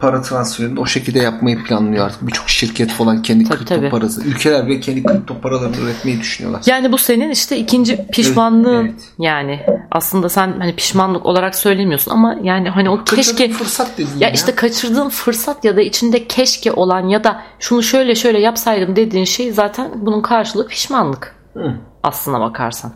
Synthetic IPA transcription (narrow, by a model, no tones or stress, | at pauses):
pʰaɾat̪ʰɾansfeɾinio̞ʃecilʲd̪ɛjapmajɯpʰlʲanlˠɯjoa̰ɾt̪ʰɯ̥k̚bit͡ʃʰo̞kʃiɾcʰɛt̪folˠancʰɛnd̪iɯɾt̪ʰaobiːpʰaɾasɯ̰ylʲcʰelʲæɾbilʲɛcʰɛnd̪ikʰɯɾp̚t̪ʰopʰaɾalˠaɾɯnø̰ɾɛt̪mejid̪yʃynyjo̰aɾjaːnibuse̞niniʃt̪ɛicʰind͡ʒipʰiʃmanlˠɯːn | jaːnɪʔa̰slˠɯnd̪asænhanipʰi̥ʃmanlˠɯko̞lˠaɾaksø̞jlʲe̞mijo̞sunʔa̰majaːnɪɦanioɛʃɛfɯɾsat̪̚d̪ed̪iijaʔiʃt̪ɛkʰat͡ʃʰɯɾd̪ɯːnfɯɾsat̪jad̪ait͡ʃʰind̪ɛcʰɛʃcʰɛʔo̞lˠanjad̪aʃunuʃøjlʲɛʃø̞jlʲɛjapsajd̪ɯmd̪e̞d̪iːnʃe̞jzaːt̪ʰænbununkʰaɾʃɯlˠɯːpʰi̥ʃmanlˠɯk | a̰slˠɯnd̪a̰ba̰kʰa̰ɾsan